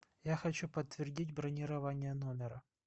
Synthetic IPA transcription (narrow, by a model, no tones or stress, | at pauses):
jaxɐt͡ɕupət̪ːvʲɪrdʲitʲbɾɐnʲɪɾɐvanʲɪjənomʲɪɾə